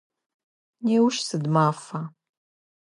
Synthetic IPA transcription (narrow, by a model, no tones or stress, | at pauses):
neːwʃsɨdmaːfɐ